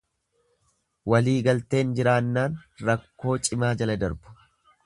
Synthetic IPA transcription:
wɐliːɡɐlt̪e̞ːnd͡ʒɪɾaːnːaːnɾɐkːo̞ːt͡ʃʼɪmaːd͡ʒɐlɐd̪ɐɾbʊ̥

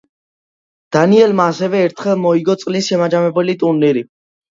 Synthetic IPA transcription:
d̪̥aniɛlmaːsɛvɛːɾt̪ʰχɛlˠmɔiɡɔt̪sʼlisʃɛmad͡ʒamɛbɛlit̪ʼunniɾi

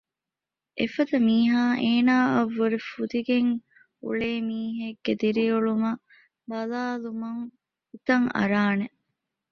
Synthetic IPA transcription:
ʔefɐd̪ɐmiːɦaːʔeːnaːɐʋːuɾifud̪iɡeŋ | ṵɭeːmiːɦeɡːed̪iɾiuɭumɐ | bɐlaːlumɐŋ | ut̪ɐŋɐ̰ɾaːne

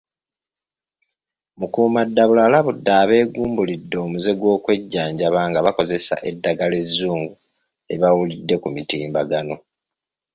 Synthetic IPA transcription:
mukuːmadːaβulalaβudːaːβe̞ːɡuːmbulidːo̞ːmuze̞ɡwo̞ːkwe̞ɟːaːɲɟaβaːŋɡaβako̞ze̞sa̰ʔe̞dːaɡale̞zːuːŋɡu | e̞βawulidːe̞kumitiːmbaɡano̞

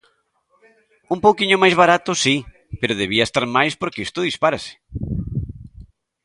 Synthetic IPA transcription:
umpowkiɲʊmajzβ̞aɾat̪ʊsi | peɾʊðeβiaest̪aɾmajspoɾkeist̪ʊðispaɾasɪ̥

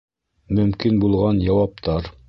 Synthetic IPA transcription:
mɵ̆mkinbulˠʁɑnjɑwɑp̚t̪ɑɾ

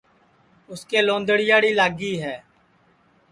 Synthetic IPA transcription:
ʊskeːlõːnd̪əɽɪjaːɽiːlaːɡiːɦɛː

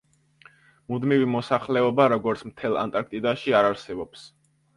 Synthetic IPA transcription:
mud̪mivimɔsaχlɛɔbaɾɔɡɔɾt̪sʰmt̪ʰɛlˠa̰nt̪ʼaɾk̚t̪ʼid̪aʃiaɾaɾsɛbɔps

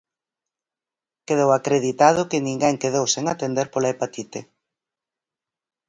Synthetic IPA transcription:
keðowakɾeðit̪að̞ʊkɪnĩŋɡɛŋkeðowseŋat̪end̪eɾpolaepat̪it̪e

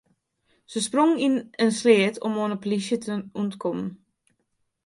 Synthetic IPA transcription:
səsproŋinənslɪətʰɔmoːnəpolisjətʰəuntkʰɔmən

